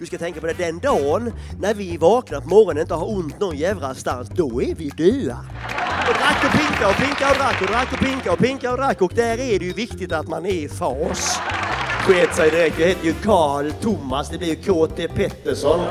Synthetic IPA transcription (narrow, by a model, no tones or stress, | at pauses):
d̪̥ɵskat̪ʰɛŋkapʰɔd̪ɛd̪ɛnd̪ɑːnnæɾvɪvɑːknapʰɔmɔɾɔnənɪnt̪əhaɾʊnt̪nɔnjɛvɾast̪a̰nsd̪ɔæɾvɪd̪ʉ̟ːɾa̰ɔd̪ɾakːɔpɪŋkaɾɔpɪŋkaɾɔd̪ɾakːɔd̪ɾakːɔpɪŋkaɾɔpɪŋkaɾɔd̪ɾakːɔk̚d̪æɾæɖɛjɵvɪkt̪ɪt̪at̪manæɾɪfɑːs | bʊeːt̪sɛjd̪ɪɾɛkt̪jɑheːt̪əɾjɵkʰɑːlt̪ʰʊmːasd̪ɛblɪɾjkʰoːt̪ʰepʰɛt̪ːəʂɔn